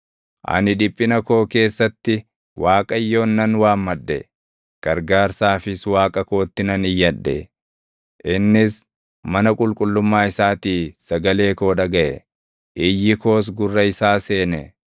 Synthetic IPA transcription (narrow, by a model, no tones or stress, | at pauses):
ʔɐ̰nɪᶑɪpʼːɪnɐko̞ːke̞ːsːɐt̪ːɪ | waːkʼɐjːo̞ːnːɐnwaːmːɐdːɛ̰ | ɡ̥ɐɾɡaːɾsaːfɪswaːkʼɐko̞ːt̪ːɪnɐnɪjːɐᶑːɛ̰ | ʔɪnːɪs | mɐnɐkʼʊlkʼʊlːʊmːaːɪsaːt̪iːsɐɡɐle̞ːko̞ːᶑɐɡɐʔɛ̰ | ʔɪjːɪko̞ːs̬ɡʊrːɐɪsaːse̞ːnɛ